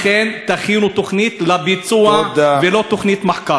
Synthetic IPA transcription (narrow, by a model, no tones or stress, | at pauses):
ent̪aχinut̪oχnit̪labit͡suavelot̪oχnit̪maħka